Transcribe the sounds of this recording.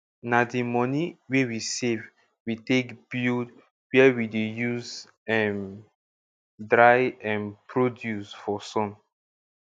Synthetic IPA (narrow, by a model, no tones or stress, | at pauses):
nadimɔniwewisev | witekb̥ild | wɛwidejuz | ɛ̃n | dɹajɛ̃npɹodjusfɔsɔ̃n